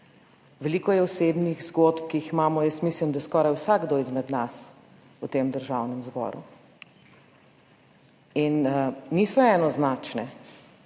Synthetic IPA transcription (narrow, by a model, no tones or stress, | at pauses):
ʋɛliːkɔjɛɔseːbniɣzɡot̪p̚kiiximaːmɔjɛst̪mislimd̪ajskɔːɾajwsaɡɡd̪oizmɛd̪nas | ut̪eːmd̪əɾʒawnɛmzbɔ̰ːɾṵ | inniːsɔɛːnɔznaːt͡ʃnɛ